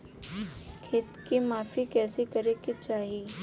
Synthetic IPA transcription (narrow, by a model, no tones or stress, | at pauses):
kʰɪt̪kimaːfikɛːsikɐɾekit͡ʃaːɦi